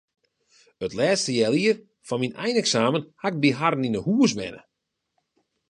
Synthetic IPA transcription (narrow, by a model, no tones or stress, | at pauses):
ətlɛːstəjɛlˠiər | fɔnminɛ̰jnɛksaːmənhaɪk̚biɦarn̩inəhuːəs̬mɛ̰nə̰